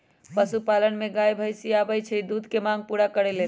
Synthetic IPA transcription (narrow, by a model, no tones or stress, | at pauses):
pəsupalənmeɡajbʱəjsiabəjt͡ʃʰɛd̪ud̪ʱkemaɡ̚puɾakəɾɛlel